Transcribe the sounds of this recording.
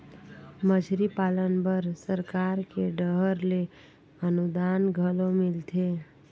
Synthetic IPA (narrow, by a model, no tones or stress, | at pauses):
məd͡ʒʱɾipalənbəɾsəɾkaɾkeɖəɦəɾle | ənud̪anɡʱəlomɪlt̪ʰe